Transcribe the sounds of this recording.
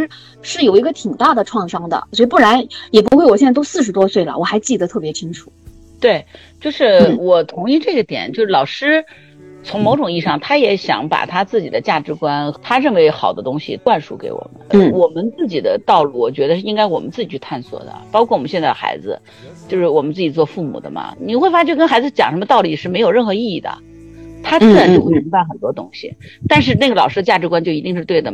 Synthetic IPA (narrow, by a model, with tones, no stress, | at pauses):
ʂɻ̩˥ | ʂɻ̩˥˩jo˨˩ʊi˧˥ɡə˧t̪ʰi˨˩ŋt̪a˥˩d̪ə˩ʈ͡ʂʰwɑ˥˩ŋʂɑ˥ŋd̪ə̰˨swɔ˧˥i˧pu˥˩ɻa˧˥njɛ˨˩p̬u˧˥xwɪwɕɛ˥˧˥to˥ʊsɹ̩˥˩ʂɻ̩˧˥t̪wɔ˥swe˥˩ɪlə̰˩wɔ˨˩xa˧˥ɪt͡ɕi˥˩d̪ə˩t̪ʰɤ˥˩p̬jɛ˧˥t͡ɕʰi˥ŋʈ͡ʂʰu˨˩˦ | t̪we˥˩ɪ | t͡ɕjo˥˧ʊʂɻ̩˥˩wɔ˨˩t̪ʰʊ˧˥ŋi˥˧ʈ͡ʂɤ˥˩ɡə˩t̪jɛ̰˨˩nt͡ɕjo˥˧ʊʂɻ̩˥˩lɑ˨˩ʊʂɻ̩˥ | t͡sʰʊ˧˥ŋmo˧˥ʊʈ͡ʂʊ˨˩ŋi˥˧ʂɑ˥˨˩ŋt̪ʰa˥jɛ˧˥ɕjɑ̰˧˥ŋpa̰˨˩t̪ʰa˥t͡sɹ̩˥˩t͡ɕi˨˩d̪ə˦t͡ɕja˥˩ʈ͡ʂɻ̩˧˥kwa˥nt̪ʰa˥ɻə˥˩nwe˧˥ɪxɑ̰˨˩ʊd̪ə˦t̪ʊ˥ŋɕḭ˨t̪wa˥˩nʂṵ˧˥kḛ˧˥ɪwɔ̰˨˩mə̰˦n˧wɔ˨˩mə˦nt͡sɹ̩˥˩t͡ɕi˨˩d̪ə̰˦t̪ɑ˥˧ʊlu˥˩wɔ˨˩t͡ɕɥɛ˧˥d̪ə˧ʂɻ̩˥˩i˥ŋka˥ɪwɔ˨˩mə̰˦nt͡sɹ̩˥˩t͡ɕi˨˩t͡ɕʰt̪ʰa˥˩nswɔ̰˨˩d̪ə̰˩pɑ˥kʰwɔ˥˩wɔ˨˩m˦nɕjɛ˥˧nt͡sa˥˩əxa̰˧˥ɪd͡zɹ̩̰˧ | t͡ɕjo˥˧ʊʂɻ̩˥˩wɔ˨˩mə˦nt͡sɹ̩˥˩t͡ɕi˨˩t͡swɔ˥˧fu˥˩mṵ˨˩d̪ə̰˦mɐ̰˩ni˨˩xe˥˩fa˥t͡ɕʰy˥˧˩kə˥nxa˧˥ɪd͡zɹ̩˧t͡ɕjɑ˨˩ŋʂə˧˥mə˧t̪ɑ˥˩ʊli˨˩ʂɻ̩˥˩me˧˥ɪo˨˩ʊɻə˥˩nxɤ˧˥i˥˧i˥˩d̪ə̰˩ | t̪ʰa˥t͡s̩˥˧˩ɻa˧˥nt͡ɕo˥˧xwe˥˩ɪmi˧˥ŋ˥ba˧ɪxə˨˩nt̪wɔ˥t̪ʊ˥ŋɕḭ˨˩t̪a˥˧nʂ̬ɻ̩˥˧ne˥˩ɡəlɑ˨˩ʊʂɻ̩˥ə˧t͡ɕja˥˩ʈ͡ʂɻ̩˧˥kwa˥nt͡ɕjo˥˩ʊi˧˥t̪i˥˧ŋʂɻ̩˥˧t̪we˥˩ɪd̪ə˩